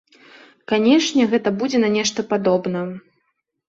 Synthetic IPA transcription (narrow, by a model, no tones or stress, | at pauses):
kanʲɛʂnʲɛɣɛt̪ɐbud͡zʲɛnɐnʲɛʂt̪ɐpad̪ɔbnɐ